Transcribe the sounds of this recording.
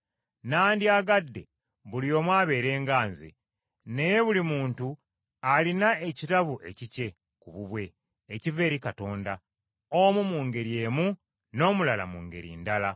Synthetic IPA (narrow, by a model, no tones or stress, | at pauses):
naːndiaɡadːe̞̰ | βulijo̞ːmwaːβe̞ːɾe̞ːŋɡaːnzḛ | ne̞je̞βulimuːntu | alinae̞citaβuʔe̞̰cice̞ | kuβuβwe̞ː | cive̞ːɾikato̞ːnda | omumuːŋɡe̞ɾie̞ːmu | no̞ːmulala̰muːŋɡe̞̰ɾḭːndala